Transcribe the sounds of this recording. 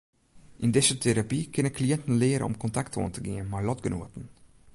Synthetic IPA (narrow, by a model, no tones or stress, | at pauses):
ʔɪndɪsətʰeɾapikɪnənkliɛntən̩lɪəɾə̰nɔ̰mkɔntakto̰əntəɡɪənmaɹlɔdɡəno̰ətən̩